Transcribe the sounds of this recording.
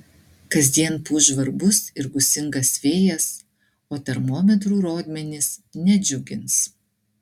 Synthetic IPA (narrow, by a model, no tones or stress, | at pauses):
kɐzʲd̪ʲiɛnpuːʒʋɐɾbʊsɪɾɡʊsʲɪŋɡɐsʋʲeːjɛs | oːt̪ʲɛɾmoːmʲɛt̪̬ɾuːɾoːd̪ʲmʲɛnʲɪsnʲɛd͡ʒʲʊɡʲɪns